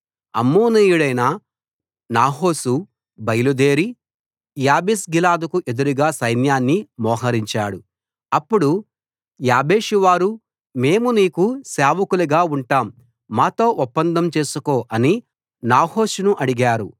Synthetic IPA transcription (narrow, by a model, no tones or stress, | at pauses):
ɐ̰mːoːnijuɽɐjnɐ | naːɦo̞ːsu | bɐjlud̪e̞ːɾi | jaːbisɡilaːd̪ukuʔed̪uɾuɡaːsɐjnjaːnːimɔːɦɐɾiɲt͡ʃaːɽu | ɐpːuɽu | jaːbeːʃuʋaːɾu | me̞ːmuniːkuseːʋɐkuluɡaːuɳʈaːmː | aːt̪o̞ːʔupːɐnd̪ɐmt͡ʃe̞ːsukoːʔɐni | naːho̞ːsunuʔɐɽiɡaːɾṵ